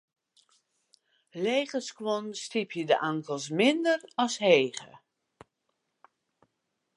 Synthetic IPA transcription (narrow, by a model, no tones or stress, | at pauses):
leːχəskʋɔnstipʰjədə̰ʔaŋkəlˠs̬mɪndərɑsɦeːɣə̰